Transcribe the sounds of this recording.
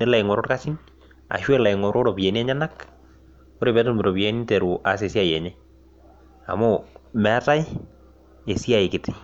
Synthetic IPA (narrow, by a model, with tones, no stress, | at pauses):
ne˦la˨ɪ˨ŋɔ˨ɾɔ˦tka˦si˦n | a̰˨ʃwɛ˦la˨ɪŋɔ˨ɾo˦ɾo˨pje˨ni˦ɛ˦ɲa˦na˦k | o˦ɾe˨pɛ˨˦to˦mɪ˨ɾo˨pije˨˦ni˦te˨ɾu˨ʔa˨s̬e˨si˦a˦˨jɛ˨ɲe˦ | a̰˨mʊ˦mɛ˨˦ta˦i˦ | e˨si˦a˨ɪ˨kɪ˨tɪ̥˨